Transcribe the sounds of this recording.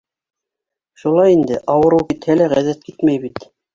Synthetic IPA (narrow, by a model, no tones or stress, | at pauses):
ʃulˠɑjind̪ɘʔɑwɤ̆ɾɤwkit̪hælæʁæðæt̪̚kit̪mæjβit̪